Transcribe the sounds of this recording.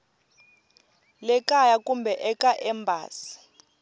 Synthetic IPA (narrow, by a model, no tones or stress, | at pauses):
lɛkʼajakumbʱɛʔɛkaʔɛmbʱa̰ːsi̥